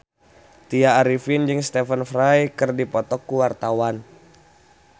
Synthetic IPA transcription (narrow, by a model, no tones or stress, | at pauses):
t̪iaːɾifind͡ʒɨŋst̪ɛfənfɾajkɨrdipɔt̪ɔkːuwart̪awan